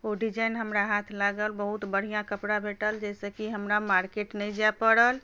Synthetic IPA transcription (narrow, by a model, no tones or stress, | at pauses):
oɖid͡ʒajnɦəmɾaɦat̪ʰlaɡəlbəɦut̪bəɽ̤ijãkəpɽabʱeʈəld͡ʒɛsəkiɦəmɾamaɾkeʈnɛjd͡ʒapəɽəl